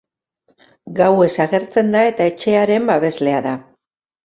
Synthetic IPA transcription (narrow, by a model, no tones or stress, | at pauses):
ɡawe̞saɣe̞ɾt͡se̞nd̪ae̞t̪ae̞t͡ʃe̞aɾe̞mbaβ̞e̞zle̞aða